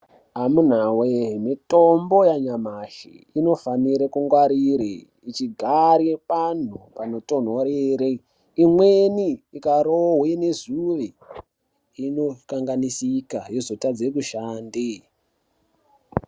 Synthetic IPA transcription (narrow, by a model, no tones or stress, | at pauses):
amun̤awemito̞mbo̞jaɲamaʃḭino̞faniɾekuŋɡwaɾiɾḛ | it͡ʃiɡʱaɾepan̤upano̞to̞n̤oɾeɾe | imweniːkaɾoɦwene̞zuʋe | inokaŋɡanisikajezotad͡zek̬uʃaːndi